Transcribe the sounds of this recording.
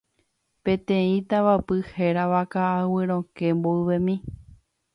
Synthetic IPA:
pẽ̞t̪ẽĩt̪aʋapɨheɾaʋakaawɨɾ̃õkemboɨʋẽmĩ

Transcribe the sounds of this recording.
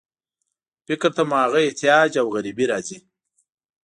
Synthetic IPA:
fɪkɾt̪amɑːɣaeht̪ijɑːd͡ʒawɣaɾibiɾɑːzi

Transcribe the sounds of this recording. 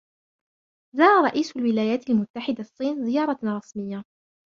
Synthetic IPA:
zɑːɾˤɑɾˤɑʔiːsʊlwɪlaːjaːt̪almʊt̪ːaħɪd̪aʔsˤːiːnzɪjɑːɾˤɑɾˤɑsmɪjːa

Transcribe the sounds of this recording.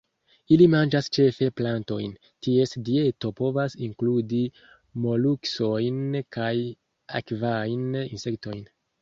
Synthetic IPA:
ilimand͡ʒast͡ʃe̞fe̞planto̞jn | tie̞sdie̞to̞po̞vasiŋkludi | mo̞lukso̞jnkaj | a̰kvajninse̞kto̞jn

